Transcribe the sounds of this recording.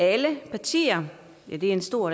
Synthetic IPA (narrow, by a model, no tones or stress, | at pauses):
æləpʰɑ̈t͡sʰḭːɐ | jæd̥e̝æɐensd̥o̝ɐ̰